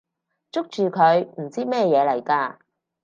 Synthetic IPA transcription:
t͡sʊ˥k̚t͡ʃyː˨kʰɵ˨˧ɥm̩˨˩t͡siː˥mɛː˥jɛː˨˧lɐ˨˩jkaː˧

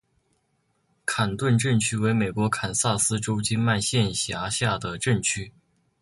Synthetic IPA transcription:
kʰa˨˩nt̪wə˥˧nʈ͡ʂə˥˩nt͡ɕʰy˥we˧˥ɪme˨˩ɪkwɔ˧˥kʰa˨˩nsa˥˩sɹ̩˥ʈ͡ʂo˥ʊt͡ɕi˥nma˥˧nɕjɛ˥˩nɕja˧˥ɕja˥˩d̪ə˩ʈ͡ʂə˥˩nt͡ɕʰy˥

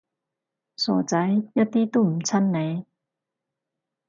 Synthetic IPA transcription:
sɔ̰˨˩t͡sa˨˦jja˦t̪i˦˥t̪u˥˧˩m̩˨˩t͡sʰa˥nːɛ˨˦

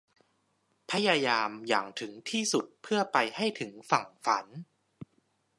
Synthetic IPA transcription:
pʰa˦˥jaː˧jaː˧mja̰ː˨˩ŋt̪ʰɯ˩˦ŋt̪ʰiː˥˩su˨˩t̪̚pʰɯ˥˩ɐpa˧jha˥˩jt̪ʰɯ˩˦ŋfa˨˩ŋfa˩˦n

